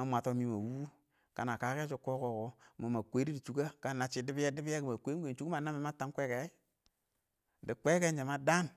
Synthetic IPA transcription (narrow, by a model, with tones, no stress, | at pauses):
a˨mʷa˨to˦mi˦ma˨wu˦ | ka˨na˨ka˨˦ke˦t͡ʃu˦ko˦ko˨ko˨ma˨ma˨kʷe˨˦ɾi˦di˨t͡ʃu˦ka˦ka˦na˨t͡ʃi˨di˦bi˦je˦di˦bi˦e˦ki˨ma˨kʷe˦ɡe˨nt͡ʃu˦u˦ma˨na˦mi˨ma˦ta˦kʷe˦ke˨˦ | di˨kʷe˦ke˦nd͡ʒe˨ma˦da˦n